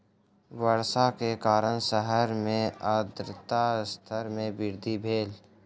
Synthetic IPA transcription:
wəɾsakekaːɾənsəɦəɾmẽəd̪ɾɪt̪ast̪ʰəɾmẽbɪɾd̪ʱibʱeːl

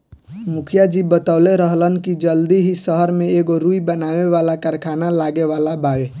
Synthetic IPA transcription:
mukʰjad͡ʒibət̪aʊleɾəɦlənkid͡ʒəld̪iɦisəɦəɾmeeɡoɾuibənaʋeʋalakəɾkʰanalaɡeʋalabae

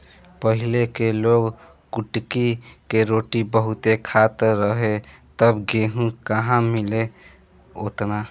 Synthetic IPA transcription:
pəɦilekeloɡ | kuʈkikeɾoʈibəɦut̪ekʰat̪əɾɾəɦet̪əbɡeɦũkəɦãmile | ot̪na

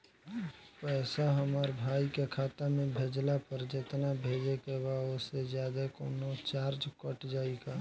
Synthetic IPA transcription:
pɛːsaɦəmaɾbʱaːikekʰaːt̪amẽbʱeːd͡ʒlapəɾd͡ʒɪt̪nabʱeːd͡ʒekebaosezjaːd̪akoːnot͡ʃaːɾd͡ʒkəʈd͡ʒaːiɡaː

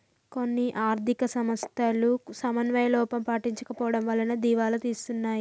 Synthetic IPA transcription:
ko̞nːiʔaːɾd̪ʱikɐsɐmɐst̪aːlusɐmɐnʋɐjɐlɔːpɐmpaːʈiɲt͡ʃɐkɐpɔːʋɐɽɐmʋɐlːɐnud̪iːʋaːlut̪iːsu̥t̪unːaːji

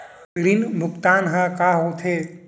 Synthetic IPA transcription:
ɾinmʊkt̪aːnɦə̃kaːɦot̪ʰeː

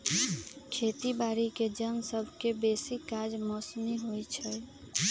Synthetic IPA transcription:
kʰet̪ibaɾiked͡ʒənsəbʱkebesikːad͡ʒmɔsniɦojt͡ʃʰəj

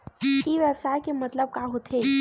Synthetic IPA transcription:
kiʋjəbsajkemət̪ləb̚kaɦot̪ʰe

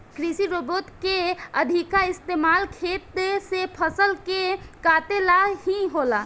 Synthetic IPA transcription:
kɾisiɾobot̪keəd̪ʱikaɪst̪emalkʰet̪sepʰəsəlkekat̪elaɦiɦola

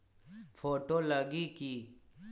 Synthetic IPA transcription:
fʰoːʈolaɡiki

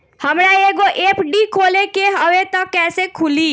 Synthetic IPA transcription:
hɐmɾaeːɡoʔeːpʰɖikʰoːlekeɦəwet̪ɐkɛːsekʰʊliː

